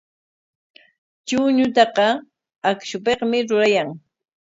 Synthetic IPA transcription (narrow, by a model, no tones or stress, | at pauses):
t͡ʃʊɲʊt̪ɑqɑ | akʃʊpeqmɪɾʊɾajaŋ